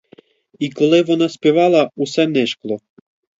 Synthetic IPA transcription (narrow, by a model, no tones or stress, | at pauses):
ikolˠevonaspʲevɑlˠausɛnɛʃklˠo